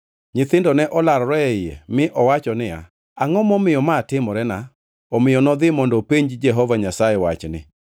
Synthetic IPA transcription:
ɲɪt̪ɪndɔnɛʔɔlaɾɔɾɔɛɪjɛ̰mɪʔɔwat͡ʃɔnɪja̰ | aŋɔmɔmɪjɔmaːtɪmɔɾɛna | ɔmɪjɔnɔd̪ɪmɔndɔpeɲd͡ʒd͡ʒɛɦɔvaɲasajɛwat͡ʃnɪ̰

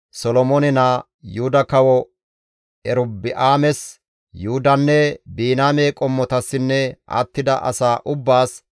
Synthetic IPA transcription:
sɔlɔmɔnɛnaː | juhʊd̪ɐkɐwɔ | ɛɾʊbːɪʔaːmɛs | juhʊd̪ɐnːɛbiːnaːmeːkʼɔmːɔt̪ɐsːɪnːɛʔa̰t̪ːɪd̪ɐ̰ʔɐ̰saːʔʊbːaːs

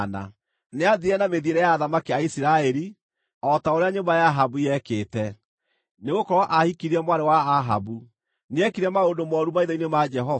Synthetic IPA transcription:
na̰ | neaðiɾɛnameðieɾɛjaːðamakiaisiɾaɛɾi | ɔtaoɾeaɲombajaɦabujɛkeːtɛ | neɣokɔɾɔʔahikiɾiɾɛmwaɾewaːɦa̰bu | neɛkiɾɛmaondomɔɾumaiðainemad͡ʒɛɦɔ

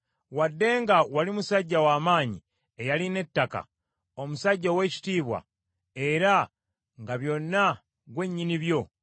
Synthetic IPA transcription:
wadːe̞ːŋɡawalimusaɟːawaːmaːɲḭ | e̞jaline̞tːaka̰ | o̞musaɟːawe̞ːci̥tiːβwa̰ | e̞ɾa | ŋɡaβjo̞nːa | ɡwe̞ɲːiniβjo̞

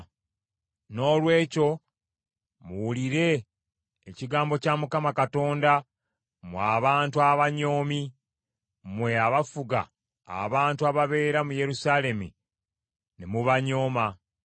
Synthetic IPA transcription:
no̞ːlwe̞ːco̞ | muwuliɾe̞ː | ciɡaːmbo̞camukamakato̞ːnda | mwaːβaːntuaβaɲo̞ːmi | mwe̞aβafuɡa̰ː | βaːntuaβaβe̞ːɾamuje̞ɾusaːle̞mḭ | nemuβaɲo̞ːma

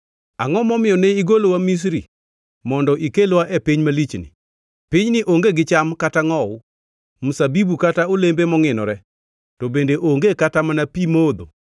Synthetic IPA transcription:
a̰ŋɔmɔmɪjɔneiɡolowamis̬ɾi | mɔndɔʔikelwaʔepiɲmalit͡ʃnɪ̰ | piɲnɪʔoŋɡeɡɪt͡ʃamkataŋɔwʊ | musabibukataolembemɔŋɪnɔ̰ɾɛ | tobendeʔoŋɡekatamanapimod̪o̰

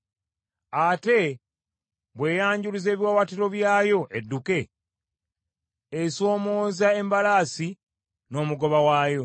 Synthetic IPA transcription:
ate̞ | βwe̞ːjaːɲɟulize̞ːβiwawatiɾo̞βjaːjo̞ʔedːuke̞ | eso̞ːmo̞ːzae̞mbalaːsi | no̞ːmuɡo̞βawaːjo̞

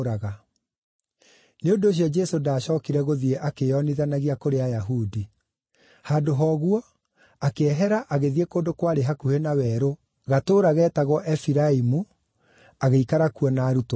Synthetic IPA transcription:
ɾaɣa | neondooɕ̬jɔd͡ʒɛsodaːɕɔːkiɾɛɣoðieʔakejɔniðanaɣiakoɾeajaɦudi | hadoɦɔɣwɔ | akeɛɦɛɾaʔaɣeðiekoːndokwaɾeɦakuhenawɛːɾo | ɣatoːɾaɣɛːtaɣwɔʔɛfiɾaimu | aɣeikaɾakuɔnaːɾuto

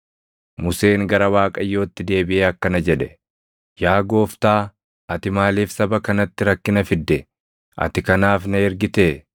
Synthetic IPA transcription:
mʊse̞ːŋɡɐɾɐwaːkʼɐjːo̞ːt̪ːɪd̪e̞ːbɪʔeːɐkːɐnɐd͡ʒɛᶑɛ | jaːɡo̞ːft̪aː | ʔɐt̪ɪmaːliːfsɐbɐkɐnɐt̪ːɪɾɐkːɪnɐfɪd̪ːɛ | ʔɐ̰t̪ɪkɐnaːfnɐɛɾɡɪt̪eː

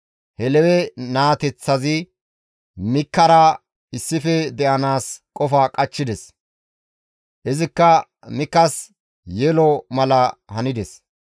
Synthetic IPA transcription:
hɛlɛwɛnaːt̪ɛt͡sːɐzɪ | mɪkːɐɾɐ | ɪsːɪfɛd̪ɛʔɐnaːskʼɔfɐkʼɐt͡ʃːɪd̪ɛs | ʔɪzɪkːɐ | mɪkːɐs | jɛlɔmɐlɐhɐnɪd̪ɛs

